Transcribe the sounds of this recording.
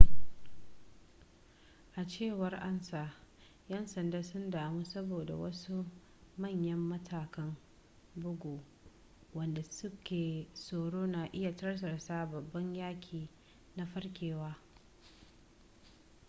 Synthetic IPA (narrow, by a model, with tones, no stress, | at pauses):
ʔa˨t͡ʃeː˦˨wɐ˦rʔa˦nsaː˨ | jɐ˦nsɐ˨ndaː˦sʊ˦ndaː˨mu˦sɐ˦boː˨da̰˨wɐ̰˦su˦ | mɐ˦˨ɲjɐ˦mːɐ˦tʰaː˨kɐ˦m | bʊ˦ɡʷoː˨ | wɐ˨nda˨sʊ˦kʲeː˨soː˨ɽoː˦naː˨ʔɪ˦ja˨tɐ˦rs̬ɐ˨rsaː˦bɐ˨bːɐ˦ɲjaː˦kʲʰiː˨ | na˦ɸɐ˦rkʲeː˨waː˦